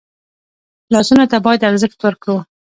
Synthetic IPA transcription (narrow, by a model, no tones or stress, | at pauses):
lɑsunot̪abɑjad̪alzəxt̪wəɾkawu